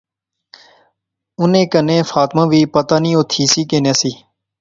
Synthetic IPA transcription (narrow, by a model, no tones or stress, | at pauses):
ʊnẽːkənẽːfaːt̪mãːʋiːpət̪aːnĩːoːt̪ʰiːsiːkeːnẽːsiː